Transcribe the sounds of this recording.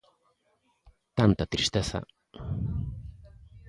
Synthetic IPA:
t̪ant̪at̪ɾist̪eθa̰

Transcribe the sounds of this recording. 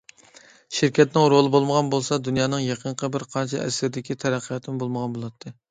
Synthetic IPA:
ʃɪɾkʲʰɛt̪nɪŋɾolˠɨbolˠməʁɑnbolˠsɑd̪unjɑːnɨŋjɑqʰəɴqʰəbɪɾqʰɑnt͡ʃʰiɛ̰sɪɾd̪ɪkʲit̪ʰɛɾæqʰːəjɑt̪ʰɨnɪbolˠməʁɑnbolˠɑt̪ʰːɨ

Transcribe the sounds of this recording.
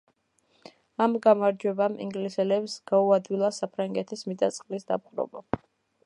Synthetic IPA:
amɡamaɾd͡ʒwɛbamḭŋɡlisɛlɛbsɡ̥auad̪wilˠasapʰɾaŋɡɛt̪ʰismid̪at̪sʼqʼlisd̪a̰p̚qʼɾɔ̰ba

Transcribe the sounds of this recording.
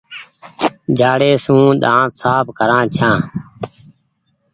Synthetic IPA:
d͡ʒʱaːɽeːsũːɗ̪ãːt̪saːpkəɾãːt͡ʃʰãː

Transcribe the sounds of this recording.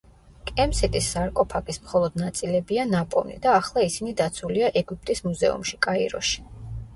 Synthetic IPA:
kʼɛmsɛt̪ʼisːaɾkʼɔpʰakʼismχɔlˠɔd̪nat̪sʼilɛbianapʼɔ̰vnḭd̪aːχlˠaisinid̪at̪sʰuliaʔɛɡup̚ʼt̪ʼismuzɛ̰ṵmʃi̥kʼaiɾɔ̰ʃi̥

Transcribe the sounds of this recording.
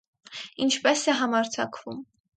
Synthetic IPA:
int͡ʃʰpɛsɛɦɑmɑɾt͡sʰɑkʰvum

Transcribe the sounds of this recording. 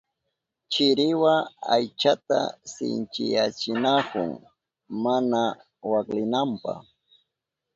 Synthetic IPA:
t͡ʃɪɾɪwaajt͡ʃat̪a̰sɪ̰nt͡ʃɪjat͡ʃɪnakʊŋ | mana | waklɪnampɑ̰χ

